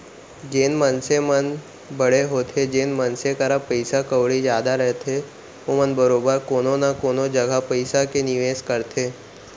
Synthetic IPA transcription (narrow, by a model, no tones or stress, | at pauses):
d͡ʒeːnmənsemən | bəɽeɦoːt̪ʰed͡ʒeːnmənsekəɾapəjsakəʋɽid͡ʒjaːd̪aɾəɦt̪ʰe | omənbəɾobəɾkoːnonakonod͡ʒəɡʱapəjsakeniʋeskəɾt̪ʰe